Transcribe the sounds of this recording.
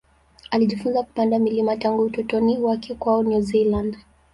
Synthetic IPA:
aliʄifunzaku̥pandamilimataŋɡuːtɔtɔniwakɛkwaɔnuzilãnd

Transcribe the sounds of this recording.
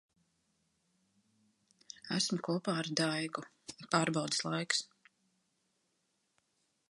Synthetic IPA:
æsmʊkuɔpaːaɾd̪ajɡu | ipaːɾbawd̪ɨ̥slˠajks

